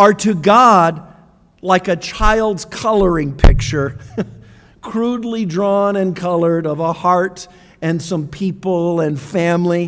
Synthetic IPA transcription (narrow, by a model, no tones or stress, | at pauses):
ə˞ɾɨɡɑd | laɪkɨt͡ʃʰaɪlˠdz̥kʰʌlˠə˞ɪ̃ŋpʰɪk̚t͡ʃə˞ | kʰɹ̥udˡlidɹɔ̃nɨ̃nkʰʌlˠə˞ɾʌvəhɑɹɾ | ɨ̃nsʌ̃mpʰipl̩ˠɨ̃nfæ̃mli